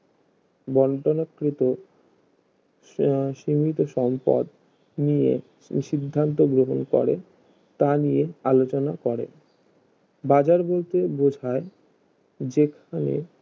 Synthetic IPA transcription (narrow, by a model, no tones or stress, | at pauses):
bɔɳʈonokːɾit̪o | ʃimit̪oʃɔmpa̰d̪ | nijḛ | ʃid̪ʱːant̪̬oɡɾoɦonkɔ̰ɾe | t̪anijealot͡ɕonakɔɾḛ | bad͡ʑaɾbolt̪ebod͡ʑʱae | d͡ʑekʰanḛ